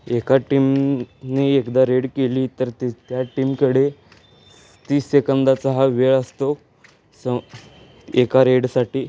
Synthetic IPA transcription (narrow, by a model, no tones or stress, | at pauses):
ekaʈimneekd̪aɾeɽkeliːt̪əɾt̪t̪jaʈiːmkəɽe | t̪iːsekənd̪at͡saɦaʋeɭəst̪o | sə | ekaɾeɽsaʈiː